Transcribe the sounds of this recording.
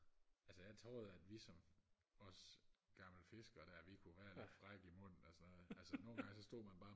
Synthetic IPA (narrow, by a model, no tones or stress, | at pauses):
ʔælsəjɑ̈ɪt͡sʰʁoːð̩ˠæd̥ʋisɒ̽mɒ̽sɡ̥ɑ̈ml̩fe̝sɡ̥ɐɾ̥æɐʋikʰuʋæːɐled̥fʁɑɡ̥imɔ̽n̰n̩ɒsɒnɔːð̩ˠælsəno̝ːnɡ̥ɑŋəsɒ̽sd̥o̝̰ːmænb̥ɑ̈ː